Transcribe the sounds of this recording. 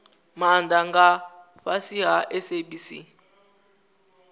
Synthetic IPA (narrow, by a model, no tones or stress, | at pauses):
mandaŋɡa | ɸasiɦaʔɛseɓisḭ